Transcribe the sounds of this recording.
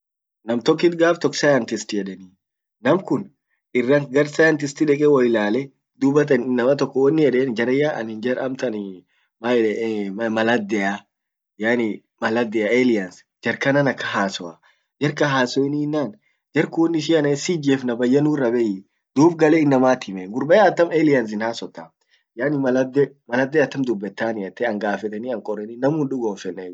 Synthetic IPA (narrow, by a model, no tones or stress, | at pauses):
nɐmt̪ɔkːɪt̪ɡaːft̪ɔksɐjɐnt̪ɪst̪ɪjɛᶑɛniː | nɐmkʊn | ɪrːɐŋɡɐɾsɐjɐnt̪̬ɪst̪ɪᶑɛkʼɛwɐjɪlaːlɛ | d̪ʊbɐt̪̬ɐnɪnːɐmɐt̪ɔkːɔwɐnːɪjɛᶑeːnd͡ʒɐɾɐjːaʔɐ̰nɪnd͡ʒɐɾɐmt̪ɐn | ma | mɐlɐd̪ːɛja | jaːnɪ | mɐlɐd̪ːɛjaelɪjɐns | d͡ʒɐɾkɐnɐnɐkːɐɦaːsɔɐ | d͡ʒɛɾkɐɦaːsɔɪninːaːn | d͡ʒɛɾkʊwɔnːɪʃ̬iɐnɐɛsid͡ʒeːfnɐbɐjːɐnuːrːɐbɛjɪ | d̪̥uːbɡɐlɛɪnːɐmaːt̪ɪmɛɡʊɾbɐjaɐt̪ːɐmeːlɪjɐns̬ɪnhaːsɔt̪ːa | jaːnɪmɐlɐd̪ɛ | mɐlɐd̪ːɛɐt̪ːɐmd̪ʊbːɛt̪ːaːnɪɐt̪ːɛɐŋɡaːfɛt̪ɛniɐŋkʼɔrːɛninɐmuːnᶑʊɡoːfɛnːɛ